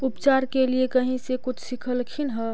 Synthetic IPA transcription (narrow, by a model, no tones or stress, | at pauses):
ʊpt͡ʃaːɾkeliekəɦĩsekʊt͡ʃʰsikʰəlkʰinɦɛ